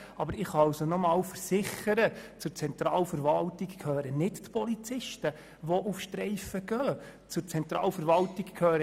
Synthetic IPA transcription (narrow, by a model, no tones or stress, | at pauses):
ɑbəɾɪχɑɑlsɔnɔmɑːlfəɾsɪχəɾət͡sʊɾt͡sɛnt̪ɾɑːlfəɾʋɑltikkʰhøːɾənɪttpʰɔlit͡sɪʃtə | ʋɔʔufʃtɾɛɪfəɡœː | t͡sʊɾt͡sɛnt̪ɾɑːlfəɾʋɑltikkʰøːɾə